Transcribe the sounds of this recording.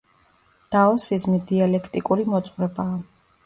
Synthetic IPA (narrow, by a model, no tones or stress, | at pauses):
d̪̥aɔsizmid̪ialɛkʰt̪ʼikʼuɾimɔt̪sʼχvɾɛbaː